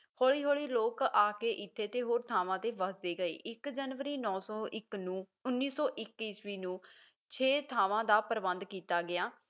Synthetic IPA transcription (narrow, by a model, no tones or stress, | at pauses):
hoːɭiːɦoːɭiːloːkaːkeːʔɪt̪ʰːeːt̪eːɦoːɾt̪ʰaːʋãːt̪eːʋəsd̪eːɡəḛːʔɪkd͡ʒənʋəɾiːnɔ̃ːsɔːɪknũː | ʊnːiːsɔːʔɪkːiːsʋiːnũː | t͡ʃʰeːt̪ʰaːʋãːd̪aːpəɾbənd̪kiːt̪aːɡɪjaː